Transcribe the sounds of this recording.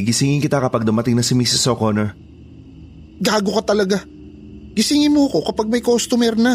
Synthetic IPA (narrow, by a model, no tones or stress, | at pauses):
ɡɪsɪŋɪnkɪt̪akɐpɐɡ̚d̪ʊmɐt̪ɪŋnɐsɪmisɪsokonɛɹ | ɡaːɡo̞kɐt̪ɐlɐɡa | ɡ̥ɪsɪŋɪnmoɐko̞kɐpaɡ̚mɐjkost̪ʊmɛɾnɐ